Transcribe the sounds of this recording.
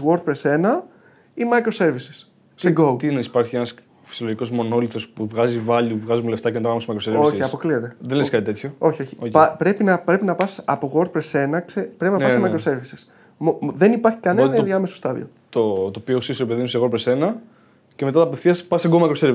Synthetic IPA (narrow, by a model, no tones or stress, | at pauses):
ɣo̞ɾt̪pɾe̞se̞nɐ | imɐjkɾose̞ɾvisi̥s | seɡot̪inispɐɾçienɐs | fi̥sioloʝiko̞zmo̞no̞lit̪ɾo̞spuvɣɐzivɐʎuvɣɐzumuleft̪ɐcenɐt̪ɐpɐmsimɐikɾosevioçiɐpo̞kliet̪e̞ðenleskɐt̪it̪e̞t̪ço̞o̞çio̞çi̥opɐpɾe̞pinɐpɾe̞pinɐpɐsi̥sɐpo̞ɣo̞ɾt̪̚pɾese̞nɐksepɾe̞pinɐssemɐkɾose̞ɾvisi̥s | mðe̞nipɐɾçi̥kɐnenɐðiɐmesost̪ɐðḭo̞ | t̪ot̪oːpiosisoɾepeðinuseɣoɾt̪̚pɾese̞nɐ | cemeɐt̪ɐpefθiɐspɐsseɡomɐikɾoseɾvi